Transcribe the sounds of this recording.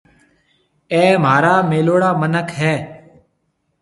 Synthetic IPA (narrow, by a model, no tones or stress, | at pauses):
ɛ̃ːm̤aːɾaːmeːloːɽaːmənəkʰɦɛː